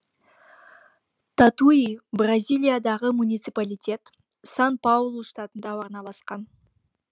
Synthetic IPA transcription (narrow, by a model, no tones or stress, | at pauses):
t̪ʰat̪uibrazʲijlʲˠijad̪ɑʁəmunijt̪sɨpalijt̪ʲe̞t̪ | sanpalˠuʃt̪ɑt̪ənd̪ɑwoɾnɑlˠɑsqɑn